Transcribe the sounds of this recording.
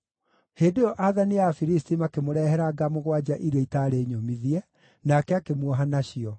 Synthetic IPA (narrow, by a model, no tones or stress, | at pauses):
heːdejɔʔaðaniafiɾistimakemoɾɛhɛɾaɡamoɣwad͡ʑaʔiɾeitaɾeːɲomiðiɛ | nakɛakemwɔɦanaɕiɔ